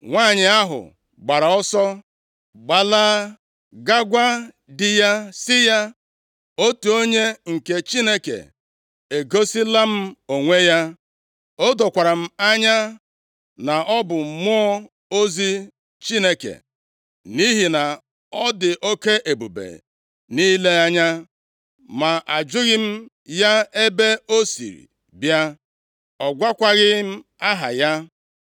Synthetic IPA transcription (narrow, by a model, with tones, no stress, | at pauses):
ŋʷaː˦˨ɲɪ˨a˦ɦʊ̰˨ | ɡ͡ba˨ɾa˨ɔ˦sɔ˦ | ɡ͡ba˨laː˦ | ɡa˦ɡʷa˦ | dɪ˨ja˦sɪ˦ja˦ | o˦tu˨o˦ɲe˦ŋ̩˨ke˨t͡ʃi˦ne˦kḛ˨ | e˨ɡo˦si˦la˦m̩˦o˨ŋʷe˦ja˦ | o˦do˨kʷa˨ɾa˨m̩˦a˦ɲa˦ | na˨ʔɔ˦bʊ˨m̩˨mʊ˦ | o˦zi˦ | t͡ʃi˦ne˦kḛ˨ | ni˦ɦi˨na˨ | ɔ˦dɪ˨ʔo˦ke˦ʔe˨bu˨bḛ˨ | ni˦le˦a˦ɲa˦ | ma˨ʔa˨d͡ʒʊ˦ɣɪ˦m̩˦ | ja˦e˦be˦o˦sḭ˨ɾḭ˨ | bja˦ | ɔ˨ɡʷa˦kʷa˦ɣɪ˦m̩˦ | a˦ɦa̰˨ja˦